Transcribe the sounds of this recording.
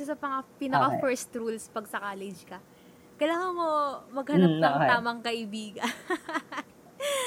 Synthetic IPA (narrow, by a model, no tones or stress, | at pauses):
ɛsɐpɐŋɐpiːnɐkafɛɹst̪ɾulspɐɡ̚sɐkaːlɛd͡ʒkɐ | kɐlaːŋɐnmomɐɡ̚hɐnɐp̪̚ɐaːmɐŋkɐʔɪbiːɡɐn